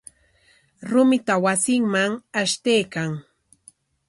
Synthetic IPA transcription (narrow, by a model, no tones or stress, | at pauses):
ɾʊmɪt̪awasɪŋmaŋaʃt̪ejkaŋ